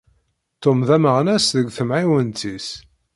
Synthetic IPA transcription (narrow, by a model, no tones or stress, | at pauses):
t̪ːomðæməʁnæsðəɡʷθəmʕiwənt̪is